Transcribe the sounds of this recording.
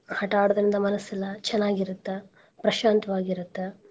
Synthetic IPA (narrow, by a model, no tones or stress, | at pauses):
hɐʈaːɽɐd̪ɐɾind̪ɐmɐnɐsːilːɐt͡ʃɛnːaːɡiɾut̪ːe | pɾɐʃaːnt̪ɐʋaːɡiɾut̪ːe